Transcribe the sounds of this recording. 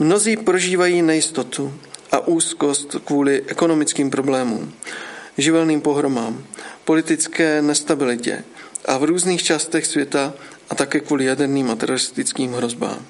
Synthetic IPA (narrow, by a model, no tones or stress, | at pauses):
mno̞ziːpɾo̞ʒiːvajiːnɛjɪst̪o̞t̪uʔa̰ʔuːsko̞st̪kvuːlɪʔɛko̞no̞mɪt͡skiːmpɾo̞blɛːmṵːm | ʒɪvɛlniːmpo̞ɦɾo̞maːmpo̞lɪt̪ɪt͡skɛːnɛst̪abɪlɪcɛ̰ʔavɾuːzniːxt͡ʃaːst̪ɛxsvjɛt̪aʔat̪akɛːkvuːlɪjadɛɾniːmʔat̪ɛɾoɾɪst̪ɪt͡skiːmɦɾo̞zba̰ːm